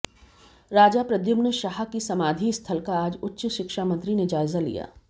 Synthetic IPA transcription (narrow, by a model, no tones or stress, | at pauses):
ɾaːd͡ʒapɾɐd̪jʊbnəʃaɦakisɐmaːd̪ʱist̪ʰəlkaaːd͡ʒʊtːʃəʃɪkʃaːmɐ̃nt̪ɾined͡ʒaːɪzalḭja̰ː